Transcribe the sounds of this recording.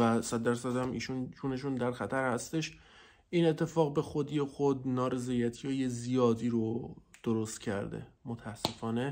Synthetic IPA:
væsæd̪̚ːæɾsæd̪æmʔḭːʃund͡ʒuːne̞ʃ̬und̪æɾxæt̪ʰæɾhæst̪e̞ʃ | ʔiːne̞t̪ʰːe̞fɒːɣbe̞xod̪ijexod̪̚nɒːɾe̞zeːjæt̪ʰijɒːjezijɒːd̪iːɾod̪̥oɾost̪cʰæɾd̪e̞̰mot̪ʰæsːe̞fɒːne̞

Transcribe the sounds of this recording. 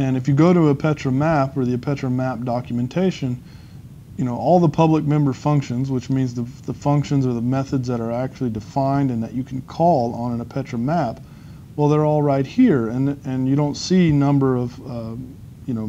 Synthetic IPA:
ɨ̃nɨfjɨɡoʊɾəəpʰɛt͡ʃɹ̥ɨmæpə˞ðiɨpʰɛt͡ʃɹ̥ɨmæp̚d̥ɑkjɨmɨ̃ntʰeɪʃɨ̃n | jɨñoʊʔɔlˠðəpʰʌblək̚mɛ̃mbə˞fʌ̃ŋkʃɨ̃nzwət͡ʃmĩnzðəðəfʌ̃ŋkʃɨ̃nzə˞ðəmɛθɨdzðəɾə˞æk̚t͡ʃʉl̩ˠidɨfãɪ̃ndɨ̃nðɨt͡ʃɨkʰn̩kʰɔlˠə̃nə̃nɨpʰɛt͡ʃɹ̥ɨmæp̚ | wɛlˠðə˞ɔlˠɹaɪt̚hiɹɨ̃nɨ̃njɨɾõʊ̃ntsinʌ̃mbə˞ʌv̥ | jɨnoʊ

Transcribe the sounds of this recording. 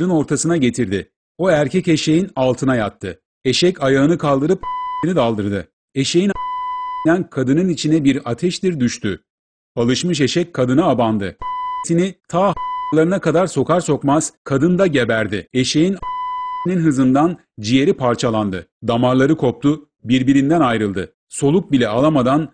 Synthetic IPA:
ɯno̞ɾt̪ʰasɯnaɟe̞t̪ʰiɾd̪ɪ | o̞æɾcʰɛce̞ʃe̞jinalˠt̪ʰɯnajat̪ʰːɯ | e̞ʃɛcajaɯnɯkʰalˠd̪ɯɾɯpinid̪alˠd̪ɯɾd̪ɯ | e̞ʃe̞jin | ænkʰad̪ɯnɯnit͡ʃʰinɛbiɾat̪ʰɛʃt̪iɾd̪yʃt̪ʰy | alˠɯʃmɯʃ̬e̞ʃɛc̚kʰːad̪ɯnaːband̪ɯt̪ʰinit̪ʰaːlˠaɾɯnakʰad̪aɾso̞kʰaɾso̞kmaz̥kʰad̪ɯnd̪aɟe̞bæɾd̪ɪeʃe̞jinninɦɯzɯnd̪an | d͡ʒije̞ɾipʰaɾt͡ʃʰalˠand̪ɯd̪amaɾlˠaɾɯkʰo̞p̚t̪ʰʊ | biɾbiɾind̪ænajɾɯlˠd̪ɯ | so̞lˠuk̚bilʲɛalˠamad̪an

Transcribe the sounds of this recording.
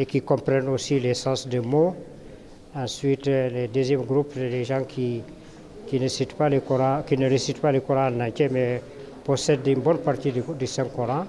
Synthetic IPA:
ekikɔ̃mpɾɛnosilesãːsdemo | ãsɥitledøzjɛmɡɾupseleʒãkʰi | kinesit̪palekɔɾãkinəɾesit̪palekuɾãnãt͡ʃɛmɛ | posɛdynbɔnpart̪iddisɛ̃ŋkɔɾã

